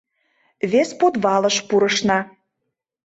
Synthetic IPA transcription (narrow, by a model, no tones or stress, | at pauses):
βespot̪βɑlə̆ʃpuɾə̆ʃnɑ